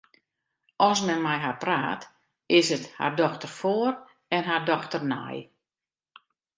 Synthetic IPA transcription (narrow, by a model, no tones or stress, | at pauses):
ʔɔsmɛnmɛjɦapra̰ːt | ɪsətha̰rdɔxtərfoər | ɛnɦardɔxtərna̰j